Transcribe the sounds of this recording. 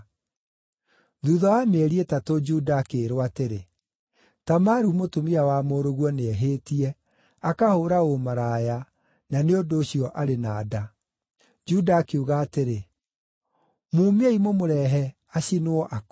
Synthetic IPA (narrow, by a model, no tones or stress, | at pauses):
ðuðɔamɛɾiɛtatod͡ʒudaːkeɾwateɾe | tamaɾumotomiawamoɾoɣwɔneɛɦeːtiɛ | akahoːɾaomaɾaːja | naneondoːɕiɔʔaɾenaːda | d͡ʒudaːkeuɣaːteɾe | mumɛimomoɾɛɦɛ | aɕinoɔʔak